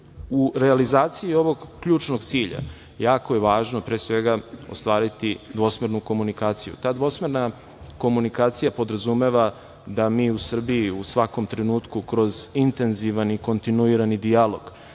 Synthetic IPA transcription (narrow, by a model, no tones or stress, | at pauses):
uɾealizaːt̪sijio̞ʋo̞ɡːʎuːt͡ʃnoɡt̪siːʎa̰ | jaːko̞jeʋaːʒnopɾeːsʋe̞ɡao̞̰st̪ʋaːɾit̪id̪ʋo̞smeɾnuko̞munikaːt̪sijṵt̪aːd̪ʋo̞smeɾna | ko̞munikaːt̪sijapo̞d̪ɾazume̞ʋa | d̪amiːusr̩biiusʋako̞mt̪ɾenuːt̪kukɾo̞zint̪e̞nziʋaniko̞nt̪inuiɾanid̪ijalo̞ɡ̥